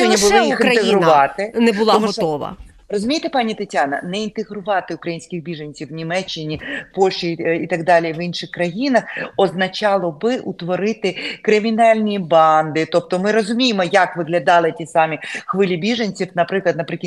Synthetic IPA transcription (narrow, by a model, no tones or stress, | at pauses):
ɔnʲibʊlˠɪjixɪnt̪eɦɾʊʋɑt̪ɪnɛbʊlˠɔmuʃɔʋɐ̰ | rɔzʊmʲijt̪epɑnʲit̪ɐtʲɑnɐ̰nɛint̪eɣɾʊʋɑt̪ɪʊkɾɐjinʲsʲkʲɪɣbʲiʒɐnʲt͡sʲiwnʲimɛt͡ʃːɪnʲipɔlʲʃiit̪ɐɡd̪ɑlʲijʋinʃɪxkɾɐjinɐxɔznɐt͡ʃɑlˠɔbɪʔut̪ʋɔɾɪt̪ɪkɾɪmʲinɑlʲnʲibɑnd̪ɪt̪ɔp̚t̪ɔmɪɾɔzʊmʲijɪmɔjɐkʋɪɣlʲɐd̪ɑlˠɪtʲisɑmʲixʋɪlʲibʲiʒɐnʲt͡sʲiwnɐpɾɪklˠɐd̪nɐpɾɪkʲi